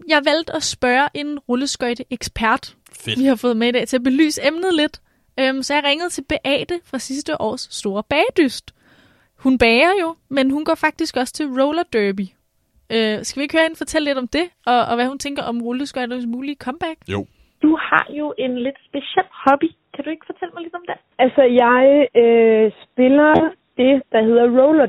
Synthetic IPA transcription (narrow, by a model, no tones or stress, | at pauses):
jɑ̈ɪʋæl̰d̥ɒsb̥ɶːɐʔe̝nʁɔləsɡ̥ɒɪ̰d̥əʔeɡ̥spʰæɐd̥ | ʋihɑ̈fɔ̽ːð̩ˠmeid̥ɛ̰ːt͡sʰe̝ɐb̥e̝ly̰ːsəemnəð̩ˠle̝d̥ | ømsɒ̽jɑ̈ʁeŋəð̩ˠt͡sʰe̝lb̥e̝ʔɛ̰ːd̥əfʁɑ̈sisd̥əʔɒ̰ːsːd̥o̝ːɐb̥ɛːd̥ysd̥ | hunb̥ɛːɐjo̝menhunɡ̥ɒ̰ːfɑ̈ɡ̥̚d̥isɡ̥ɒ̽st͡sʰe̝lʁoʊlɐd̥øːbi | øsɡ̥æʋie̝ɡ̥høːɐhen̩fɒ̽t͡sʰel̰e̝d̥ɒ̽md̥e̝ʔɒ̽ʋæhunt͡sʰeŋ̰ɡ̥ɐʔɒ̽mʁoləsɡ̥ɒdesmuːlikʰɒ̽mb̥æɡ̥ | d̥uhɑ̰̈jo̝ʔe̝nle̝d̥sb̥e̝ɕɛl̰hɒb̥i | kʰæd̥ue̝ɡ̥fɒ̽t͡sʰel̰əmɑɪled̥ɒ̽md̥e | ælsəjɑ̈ɪøsb̥e̝lɐ | d̥e̝d̥ɑ̈heð̰ˠɐʁoʊlɐ